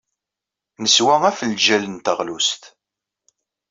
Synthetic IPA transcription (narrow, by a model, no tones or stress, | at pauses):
nəswæŋæfəlʒælənt̪əʁlust̪